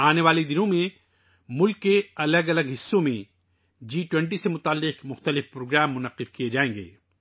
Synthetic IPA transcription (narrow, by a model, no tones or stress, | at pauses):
aːneʋaːlid̪ɪnõmẽ | mʊlkːeɐləɡɐləɡɦɪsːõmẽ | d͡ʒiːʈwɛ̃ɳʈ̬isemʊt̪aːlːɪqmʊxt̪əlɪfpɾoːɡɾɛːmːʊnəqːɪd̪kijed͡ʒaːẽːŋɡḛː